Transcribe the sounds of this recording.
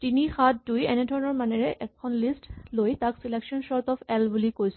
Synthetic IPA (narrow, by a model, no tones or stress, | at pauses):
tinixat̚dujɛnedʱɔɹɔnɔɹmanɛɹɛʔɛkʰːɔnlisʈlojtaksilekʃɔnʃɔɹt̪ɔpʰɛlbulikojs